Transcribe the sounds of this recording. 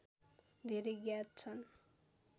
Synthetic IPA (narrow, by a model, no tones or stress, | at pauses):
d̪ʱeɾejɡjat̪̚t͡sʰʌn